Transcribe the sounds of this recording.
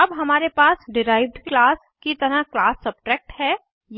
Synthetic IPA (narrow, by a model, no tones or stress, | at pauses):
ɐbɦɐmaːɾepaːsɖɪɾaːɪʋɖklaːs | kit̪əɾaklaːsːɐb̚ʈɾɛːk̚ʈɦɛː | j